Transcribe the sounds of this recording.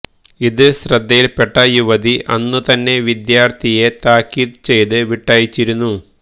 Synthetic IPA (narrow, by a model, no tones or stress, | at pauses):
iðɨɕrɐd̪ːɐjilpeʈːɐjuʋɐd̪iʔʔɐnːɨt̪ɐnːe̞ʋid̪jaːrt̪ʰije̞t̪aːkːiːðt͡ɕe̞jt̪ɨʋiʈːaːjit͡ɕːiɾunːu